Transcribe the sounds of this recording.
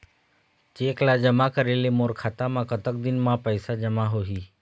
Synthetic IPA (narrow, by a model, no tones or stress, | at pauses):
t͡ʃeːklad͡ʒəmakəɾeːlemoːɾkʰaːt̪amãkət̪ək̚d̪ɪnmãpəɪsad͡ʒəmaɦoɦiː